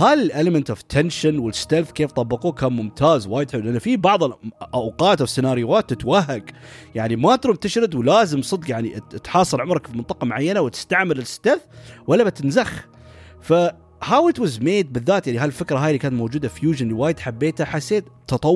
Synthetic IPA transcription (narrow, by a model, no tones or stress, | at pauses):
haːlɪlʔɪləmɪnt̪ov̥t̪ʰɛnʃanwɪlɪst̪alθkeːft̪ˤɑbːɑquːkaːnmʊmt̪ʰaːzwaːjɪd̪ħɪlulʔanːafibɑʕðˤlʔawqɑːt̪awsɪnaːɾjʊwaːt̪ːɪt̪waɦːaɡ | jaʕnimat̪ɾuːmt̪ɪʃɾɪd̪wlaːzɪmsˤɨd̪qjaʕnit̪ħɑːsˤɨlʕʊmɾˤɑkfimɪnt̪ˤɑqɑmʊʕajːanawɪt̪ɪ̥st̪aʕmɪlɪlɪst̪alθwalːabɪt̪ɪnzax | fa | hawɪt̪wazmeːd̪̚bɪðːaːt̪jaʕniɦaɪlfɪkɾɑɦaːjlːikaːnt̪mowd͡ʒuːd̪afjuːʒɪnliwaːjɪd̪ħabːeːt̪haħasːeːt̪t̪ːɑt̪ˤɑ